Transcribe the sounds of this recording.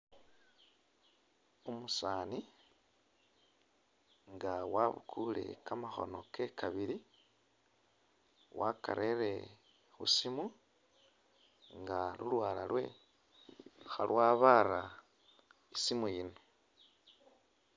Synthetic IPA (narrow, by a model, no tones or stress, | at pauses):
omusaːni | ŋɡawaβṵkʰule̞̰kamaxo̞̰no̞ke̞kʰaβiɾi | wʔaka̰ɾʔeɾe̞ | xṵsimu | ŋɡalulwaːlalwe̞̰ | xalwaːβaɾa | isimujino